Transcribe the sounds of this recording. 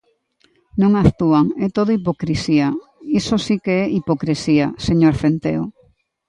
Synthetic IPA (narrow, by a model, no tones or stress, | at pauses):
nõŋaθt̪uaŋɛt̪oðoip̬okɾisia | isosikeɛʔipokɾesiaseɲoɾfent̪ḛo